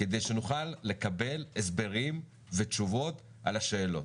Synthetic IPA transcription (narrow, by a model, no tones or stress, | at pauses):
ked̪e̞jʃenuχalːe̞kabe̞les̬be̞ʁim | ve̞t͡ʃuvo̞t | ʔa̰laʃeːlo̞̰